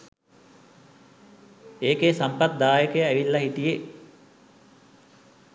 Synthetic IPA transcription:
eːkesampat̪̚d̪aːjəkəjəæʋilːɐɦiʈ̪ije

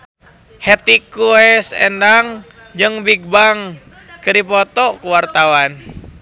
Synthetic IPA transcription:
hɛt̪ikuɛsɛ̰ndaŋ | d͡ʒɨŋbik̚baŋ | kəɾipɔt̪ɔkuwart̪awan

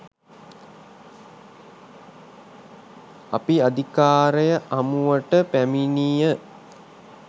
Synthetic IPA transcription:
apiad̪ikaːɾəjəʔamuʋəʈəpæminijə

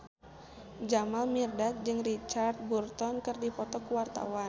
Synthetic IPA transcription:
d͡ʒamalmirdat̪̚d͡ʒɨŋrit͡ʃart̪̚burt̪ɔnkɨrdipɔt̪ɔkuwart̪a̰wa

